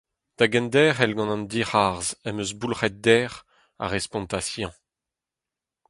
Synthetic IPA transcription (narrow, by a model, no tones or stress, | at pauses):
d̪̥aɡɛ̃nd̪ɛːʁɛlɡɑ̃nɑ̃nd̪iʁaʁzɛmøzbulʁɛt̪̚d̪ɛːʁ | a̰ʁɛspɔ̃nt̪asjɑ̃